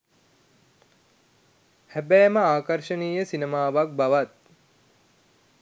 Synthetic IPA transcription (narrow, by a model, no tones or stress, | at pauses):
hæbɛːməaːkəɾʃəniːjəsinemaːʋak̚baʋat̪̚